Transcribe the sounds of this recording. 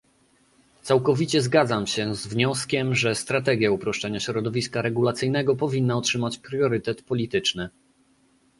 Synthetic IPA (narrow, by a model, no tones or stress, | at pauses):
t̪sawkɔvʲit͡ɕɛzɡad̪zamɕɛzvɲɔskʲɛmʐɛst̪ɾat̪ɛɡʲjaupɾɔʂt͡ʂɛɲaɕɾɔd̪ɔvʲiskaɾɛɡulat̪sɘjnɛɡɔpɔvʲinːaɔtʂɘmat͡ɕpɾjɔɾɘt̪ɛt̪pɔlʲit̪ɘt͡ʂnɘ